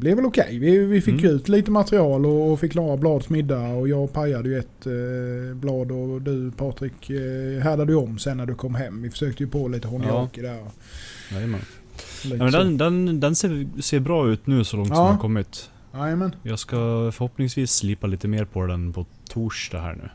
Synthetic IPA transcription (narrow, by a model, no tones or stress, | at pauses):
blɛvɛlʊkʰɛ̰jvɪvɪfɪkjɵʉ̟ːt̪liːt̪əmat̪ɾɪɑːlɔːfɪkːlɑːɾablɑːd̪smɪd̪ːaɔjɑːɡpʰajad̪əjɵɛt̪ | blɑːd̪ɔd̪ɵpʰɑːt̪ɾɪkɦæd̪ad̪əjɔmːsɛnːæɖɵkʰɔmːɦɛmːvɪfœ̥ʂøːk̚t̪əjɵpoliːt̪əɦɔnɪokɪd̪æɾɔ | ajmɛ̰n | iːɛmɛnd̪ɛnd̪ɛnd̪ɛnseːseːɾbɾɑːʉ̟ːt̪nʉ̟ːsɔlɔŋt̪ɔɑːmːkʰɔmːɪt̪ | jɑːjəmɛnjɑːɡskafœɾhɔpnɪŋsviːsːlɪpːaliːt̪əmeːɾpʰɔd̪ɛnpʰɔt̪ʰuːʂʈa̰hæ̰ːɳʉ̟̰ː